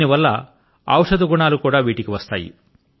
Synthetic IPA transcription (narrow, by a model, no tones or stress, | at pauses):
niʋɐlːɐ | ɐ̰wʂɐd̪uɡuɳaːlukuːɽaːʋiːʈikiʋɐst̪aːjḭ